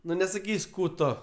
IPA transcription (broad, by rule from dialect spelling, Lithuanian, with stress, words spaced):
ˈnʊ nʲɛsɐˈkʲiːsʲ ˈkuː ˈtoː